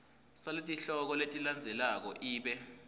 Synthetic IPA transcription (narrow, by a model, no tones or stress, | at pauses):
saletʼiɬɔk̬ɔletʼiland͡zʱɛlak̬ɔ̰ʔiːɓɛ